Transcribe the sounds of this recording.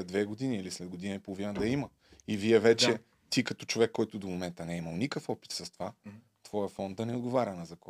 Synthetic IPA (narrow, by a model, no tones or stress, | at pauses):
ɛd̪vɛɡod̪iniilislɛd̪ɡod̪inɐipolˠovinəd̪ɐimə | iviɛvɛt͡ʃɛ | t̪ikɐt̪ɔt͡ʃovɛkːɔjt̪ʊd̪omomɛnt̪ənɛiməlˠnikəfɔpi̥t̪sɐst̪ova | t̪vɔjɐfɔnd̪ɐnɛod̪̚ɡovaɾʲɐnɐzɐk